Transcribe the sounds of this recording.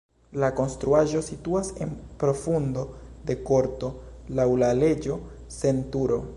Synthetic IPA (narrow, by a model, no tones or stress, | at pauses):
lako̞nst̪ɾuaʒo̞situase̞npɾo̞fundo̞d̪e̞ko̞ɾto̞lawlale̞d͡ʒo̞ | se̞ntuɾo̞